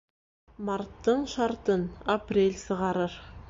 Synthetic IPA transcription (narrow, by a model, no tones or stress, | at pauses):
mɑɾt̪ːɤɴʃɑɾt̪ɤnaprʲelʲsɤ̆ʁɑɾɤɾ